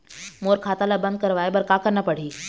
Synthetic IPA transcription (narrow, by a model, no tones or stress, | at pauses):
moːɾkʰaːt̪alabə̃nd̪̚kɐɾʋaːebɐɾkakəɾnapəɽ̤iː